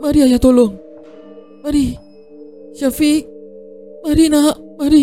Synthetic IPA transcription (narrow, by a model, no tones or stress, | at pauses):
maɾiajat̪oloŋ | maɾi | ʃafi | maɾinamaɾi